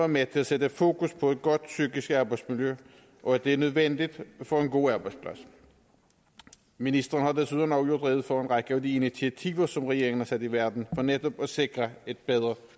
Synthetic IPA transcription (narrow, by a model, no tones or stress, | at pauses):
ɑmet͡sʰe̝læsed̥əfo̝̰ːkʰuspʰɒ̽e̝d̥̚ɡ̥ɒ̽d̥syɡ̥isɡ̥ɑ̈ːb̥ɑ̈ɪd̥smiljø | ʔɒ̽æd̥eæɐnøð̞ˠʋen̰d̥id̥fɒ̽e̝nɡ̥o̝̰ːɑːb̥ɑ̈ɪspʰlæs | minisd̥ʁɐːn̩hɑ̈d̥esuðˠenɒʊjo̝ɐd̥ʁɛ̰ːʊð̞̩ˠfɒenʁɑ̈ɡ̥əæʊd̥iinit͡sʰiæt͡sʰḭːʊɐsɒ̽mʁɛɡ̥e̝ɐeŋn̩hɑsæd̥iʋæɐd̥n̩fɒ̽ned̥ɒ̽b̥æse̝ɡ̥ʁɐe̝d̥̚b̥eð̞ˠʁɐ